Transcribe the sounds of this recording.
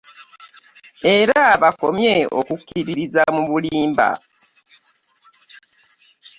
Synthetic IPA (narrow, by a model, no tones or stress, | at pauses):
e̞ɾaβakomje̞o̰kukːiɾiɾizamuβuliːmba̰